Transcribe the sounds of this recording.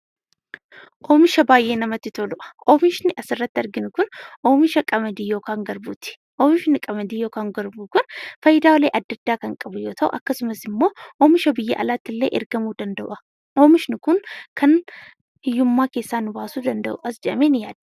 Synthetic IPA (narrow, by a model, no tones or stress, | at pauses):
ʔo̞ːmɪʃɐbaːjʔe̞ːnɐmɐt̪ːɪt̪olʊʔɐ̥ʔo̞ːmɪʃnɪʔɐsɪrːɐt̪ːɪɐɾɡɪnʊkʊnʔoːmɪʃɐkʼɐmɐd̪iːjo̞ːkaːŋɡɐɾbuːt̪ɪ̥ | ʔoːmɪʃnɪkʼɐmɐd̪iːjo̞ːkaːŋɡɐɾbuːkʊnfɐjːɪd̪aːwɔleːʔɐd̪ːɐd̪ːaːkɐŋkʼɐbʊjo̞ːt̪ʰɐʔʊ̰ʔɐkːɐsʊmɐsɪmːo̞ːʔoːmɪʃɐbɪjːɐʔɐ̰laːt̪ːɪlːeːʔɛɾɡɐmuːd̪ɐnd̪ɐʔʊʔɐ̥ | ʔo̞ːmɪʃnɪkʊŋkʰɐn | hɪjːʊmːaːke̞ːsːaːnʊbaːsuːd̪ɐnd̪ɐʔʊ̰ʔɐsd͡ʒɛʔɐmeːnɪjaːd̪ɐ̥